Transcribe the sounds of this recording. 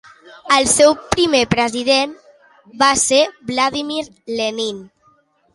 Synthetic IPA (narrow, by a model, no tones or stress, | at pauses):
əlˠsɛwpɾimepɾəziðem | baseɾblaðimiɾ | lenin